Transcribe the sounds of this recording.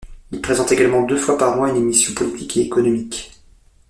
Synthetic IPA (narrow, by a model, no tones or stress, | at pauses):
ilpχezɑ̃t̪eɡalmɑ̃d̪øfwapaʁmwɛ̃ynemisjɔ̃pɔlit̪ʰikeːkɔnɔmik